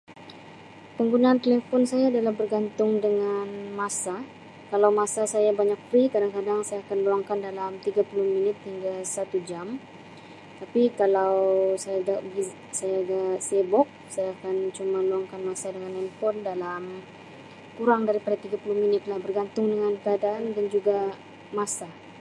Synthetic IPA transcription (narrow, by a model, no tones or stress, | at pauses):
pəŋɡunaːnt̪elefɔnsajaːdalahbərɡant̪ʊŋdəŋanmasa | kalawmasasajabaɲak̚fɾikadaŋkadaŋsajaːkanluaŋkandalamt̪iɡapulʊhminɪt̪hiŋɡasat̪ud͡ʒam | t̪apikalawsajaɡaɡi | sajaɡasebɔk̚sajaːkant͡ʃumaluaŋkanmasadəŋanɛnpɔndalam | kuɾaŋdaɾipadat̪iɡapulʊhminɪt̪lahbərɡant̪ʊŋdəŋankəadaʔːndand͡ʒuɡa | masa